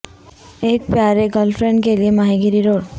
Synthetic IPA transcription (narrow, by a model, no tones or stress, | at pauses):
ek̚pjaɾeɡəlfʰɾeɳɖkeliemaɦiɡiɾiɾoɽ